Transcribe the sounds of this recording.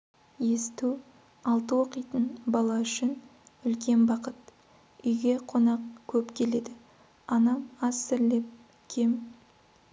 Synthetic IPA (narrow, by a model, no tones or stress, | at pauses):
je̞st̪u | ɑlˠt̪əwo̞qəjt̪ənbɑlˠɑʏʃɪnʏlkʲe̞nbɑqət̪ | ʏjɡʲe̞qʰo̞nɑqkʲʰɵpkʲʰe̞le̞d̪ɪ | ɑnɑmɑsːɪɾle̞p̚ | kʲʰem